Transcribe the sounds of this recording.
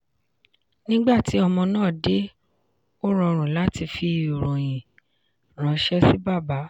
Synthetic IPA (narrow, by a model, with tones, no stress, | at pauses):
nĩ˦ɡ͡ba˦˨ti˨˦ɔ˧mɔ̃˧nãː˦˨de˦ | o˦ɾɔ˧ɾ̃ũ˨la˨˦ti˧fi˧o˨ɾũ˨j̃ĩ˨ | ɾ̃ã˨˧˦ʃɛ˦si˦ba˦˨ba˨˦